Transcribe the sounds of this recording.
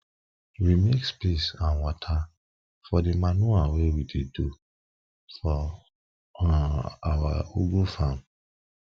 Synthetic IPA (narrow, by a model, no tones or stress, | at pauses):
wimekspesãnwɔtʰa | fɔdemanuawewidedu | fɔ | a̰wauɡufãm